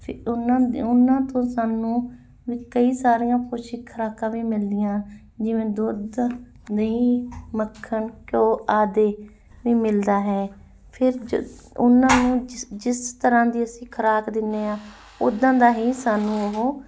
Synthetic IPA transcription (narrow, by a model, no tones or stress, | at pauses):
pʊnãːʊnːãːt̪õːsaːnũː | ʋiːkəiːsaːɾijãːpoːʃiːkʰəɾaːkãːʋiːmɪld̪ɪjãː | d͡ʒɪʋẽːd̪ʊd̪ | niːməkʰːəɳkoːʔaːd̪eː | ʋiːmɪld̪aːɦɛː | pʰɪɾ | ʊnãːnũːd͡ʒɪst̪əɾãːd̪iːəsĩːkʰəɾaːkd̪ɪnːeːaː | ʊd̪ãːd̪aːɦiːsaːnũːəɦoː